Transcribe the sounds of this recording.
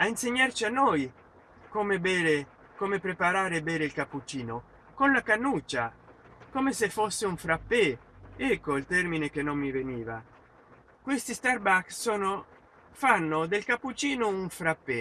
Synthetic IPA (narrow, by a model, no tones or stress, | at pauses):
ainseɲːart͡ʃianːɔj | komebɛɾe | komepɾepaɾaːɾebɛːɾeilkapːut͡ʃiːno | konlakanːut͡ʃːa | komesefːosːeuɱfɾapːe | ɛkːoilt̪ɛrminek̟enːomːiveniːva̰ | kwest̪ist̪arbakssɔːno | fanːʊd̪elkapːut͡ʃiːnʊuɱfɾapːe